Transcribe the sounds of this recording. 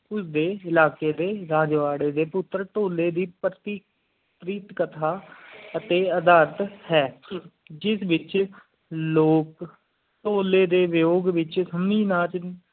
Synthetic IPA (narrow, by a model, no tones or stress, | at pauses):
ʊsd̪eːɪlaːkeːd̪eːɾaːd͡ʒʋaːɽeːd̪eːpʊt̪ːɾʈ̪oːleːd̪iːpɾət̪iː | pɾiːt̪kət̪ʰaːət̪eːəd̪aːɾt̪hɛː | d͡ʒɪsʋɪt͡ʃ | loːk | ʈ̪oːleːd̪eːʋɪjoːɡʋɪt͡ʃsəmniːnaːt͡ʃ